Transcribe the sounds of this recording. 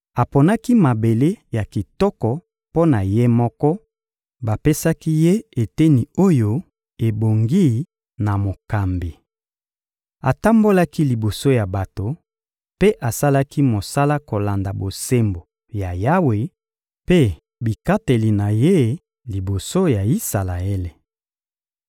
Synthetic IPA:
a˨po˨na˦ki˦ma˨be˨le˦ja˨ki˨tɔ˦kɔ˨ | po˦na˨je˦mɔ˦kɔ˦ | ba˨pe˦sa˦ki˦je˦e˨te˦ni˨o˦jo˦ | e˨bo˨ŋɡi˦ | na˨mo˨ka˨mbi˨ | a˨ta˦mbo˦la˦ki˦li˨bo˨so˦ja˨ba˨to˨ | pe˦ʔa˨sa˦la˦ki˦mo˨sa˦la˦ko˨la˨nda˨bo˨se˦mbo˨ | ja˨ja˦we˨ | pe˦ | bi˨ka˦te˨li˨na˨je˦ | li˨bo˨so˦ja˨i˦sa˨la˨e˦le˨

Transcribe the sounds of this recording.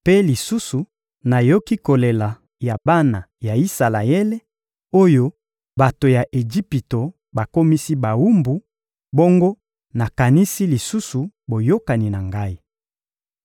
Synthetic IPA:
pe˦li˨su˦su˨ | na˨jo˦ki˦ko˨le˨la˨ | ja˨ba˦na˨ja˨i˦sa˨la˨ɛ˦le˦ | o˦jo˦ | ba˨to˨ja˨ʔe˨d͡ʒi˦pi˨to˨ | ba˨ko˦mi˦si˦ba˨wu˦mbu˨ | bo˦ŋɡo˦ | na˨ka˨ni˦si˦li˨su˦su˨bo˨jo˦ka˨ni˨na˨ŋɡa˦i˦

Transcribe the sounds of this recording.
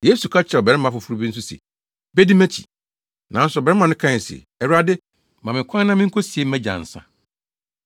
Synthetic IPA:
je˦su˨kʰa˦t͡ɕʰɾɛ˨ɔ˨bɛ˨ɪ˦mã˨˦fʊ˨fu˦ɾu˦bĩ˦n̩˦s̬ʊ˦sḛ˨ | bɛ˦dɪ˦mæ̃˦t͡ɕʰi̥̰˨ | nã˨n̩˦sʊ˨bɛ˨˦ɪ˦mã˨nɪ̃˦kʰã˦˨sḛ˨ | ɛ˨ɾa˦dɪ˦ | mã˨mɪ̃˨kʷʰã˦n˦nã˦mɪ̃˦ŋ̩˦kʰo˦si˨e˦m̩˦mæ̃˦d͡ʑã̰˨n̩˨sã̰˦

